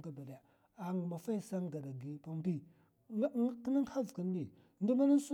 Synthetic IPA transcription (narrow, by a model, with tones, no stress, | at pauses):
ɡa˦ba˨da˨ja˨ | a˨ŋ˨ma˨fa˦i˨sa˦ŋ˦ɡa˨da˨ɡi˨pa˦mbi˦ | ki˦na˦ŋha˦vkə˨n˦i˨ | ndu˦ma˦na˦n˦su˦